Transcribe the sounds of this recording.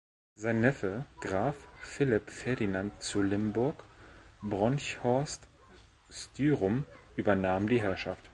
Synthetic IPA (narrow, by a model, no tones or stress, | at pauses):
zaɪnːɛfəɡ̥ʁaːffɪlɪpfɛɐdinantt͡sulɪmbʊɐkbʁɔnçhɔɐst | styːʁʊmʔyːbɐnaːmdiːɦɛɐʃaft